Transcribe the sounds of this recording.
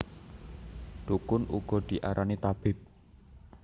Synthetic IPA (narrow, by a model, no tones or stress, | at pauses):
d̪̥ukʊnʔṵɡ̥ɔ̤d̪̥i̤ʔaɾʔanit̪ab̥ɪp̚